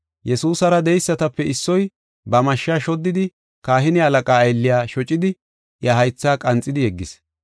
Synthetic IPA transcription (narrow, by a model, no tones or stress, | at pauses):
jɛsuːsɐɾɐd̪ɛjsːɐt̪ɐpːɛɪsːɔj | bɐmɐʃːaːʃɔd̪ːɪd̪ɪ | kaːhɪnɪɐlɐkʼaːjlːɪjaːʃɔt͡ʃʼɪd̪ɪ | jɐɦɐjt͡sːaːkʼɐnt͡sʼːɪd̪ɪjɛɡːɪs